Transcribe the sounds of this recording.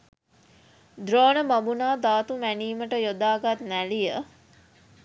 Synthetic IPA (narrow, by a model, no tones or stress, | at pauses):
d̪ɾoːnəmabunaːd̪aːt̪umæniːməʈəjod̪aːɡat̪nælijə